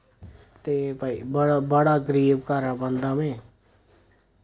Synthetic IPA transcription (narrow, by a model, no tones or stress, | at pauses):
t̪eːpaibəɽbəɽaːɡəɾiːb̚kaːɾaːbənd̪ãːmẽː